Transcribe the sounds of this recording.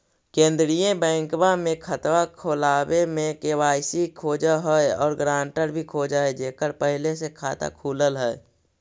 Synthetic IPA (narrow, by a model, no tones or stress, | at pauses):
kẽːnd̪ɾijẽbɛ̃ːŋkbamẽkʰət̪wakʰoːlaːwemẽkewaːɪsikʰoːd͡ʒaɦəeɔːɾɡɾãːɳʈəɾbʱikʰoːd͡ʒaed͡ʒeːkəɾpəɦɪlesekʰaːt̪a̰kʰuːləlɦɛe